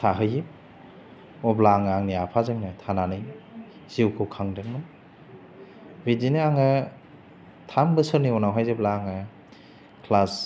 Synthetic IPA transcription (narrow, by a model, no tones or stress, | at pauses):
tʰaɦɯji | ɔblaŋaŋniapʰazeŋnɯtʰananɯj | z̥iwkʰɯwkʰaŋdeŋmɯn | bidineaŋɯ | tʰambɯsɯniɔnawɦajzeblaːŋɯ | kʰlas